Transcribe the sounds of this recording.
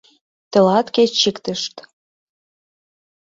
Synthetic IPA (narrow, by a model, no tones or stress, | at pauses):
t̪ə̆lɑt̪ket͡ɕikt̪ə̆ʃt̪